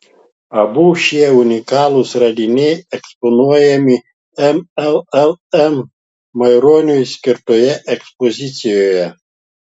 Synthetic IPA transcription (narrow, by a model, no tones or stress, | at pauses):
ɐbuːʃʲiɛunʲɪkɑːlˠusɾɐd̪ʲɪnʲɛjɛkspɔnuɔjɛmʲi | ɛmɛlˠɛlˠɛmː | ɐɪɾoːnʲujsʲkʲɪɾt̪ojɛʔɛkspɔzʲɪt̪sʲɪjoːjɛ